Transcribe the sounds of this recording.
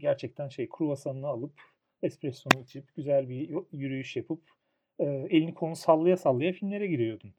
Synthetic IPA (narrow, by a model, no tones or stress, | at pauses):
ɟæɾt͡ʃʰɛc̚t̪ʰænʃejkʰuɾuvasanɯnɯalˠɯp | ɛspɾɛsjo̞nuɯt͡ʃʰipɟyzælʲbijyɾyjyʃjapʰɯp | ɯːe̞lʲinikʰo̞lusalˠːɯjasalˠːɯjafilʲmlʲe̞ɾɛɟiɾijo̞d̪un